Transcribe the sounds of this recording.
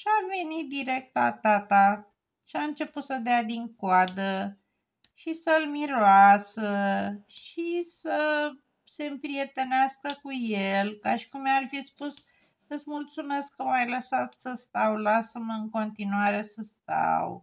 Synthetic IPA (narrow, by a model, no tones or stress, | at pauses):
ʃiave̞nit̪̚d̪iɾe̞k̚t̪la̰t̪at̪a | ʃiaɨnt͡ʃe̞put̪səd̪ead̪iŋkoad̪ə | ʃisəlmiɾoasəʃisə | se̞mpɾie̞t̪e̞neaskəkujelkaʃi̥kumarfispus | ɨt̪sʲmult̪sume̞skːəmajləsat̪səst̪awlasəmɨŋko̞nt̪inuaɾe̞səst̪a̰w